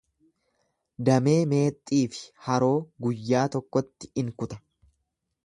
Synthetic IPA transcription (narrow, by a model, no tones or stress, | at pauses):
d̪ɐme̞ːme̞ːt̪ʼːiːfɪ̥hɐɾo̞ːɡʊjːaːt̪ɔkːɔt̪ːɪ̥ɪŋkʊt̪ɐ̥